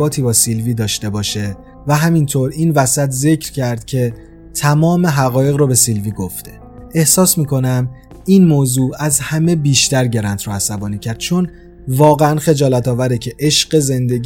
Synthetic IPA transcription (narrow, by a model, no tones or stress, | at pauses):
ɒːt̪ʰiːbɒːsilviːd̪ɒːʃt̪e̞bɒːʃe̞ | væɦæmint̪ʰoɾiːnvæsæt̪ʰze̞cʰɾcʰæɾd̪̥cʰe̞ | t̪ʰæmɒːme̞ɦæɣɒːje̞ɣɾobe̞silviːɡo̞ft̪ʰe | e̞hsɒːsmiːkʰo̞næm | iːnmoːzuːæzhæme̞biːʃt̪æɾɟe̞ɾænt̪ʰɾoæsæbɒːniːcʰæɾd̪̥̚t͡ʃʰon | vɒːɣeænxe̞d͡ʒɒːlæt̪ʰɒːvæɾecʰe̞ʔeʃɢe̞ze̞nd̪e̞ɡ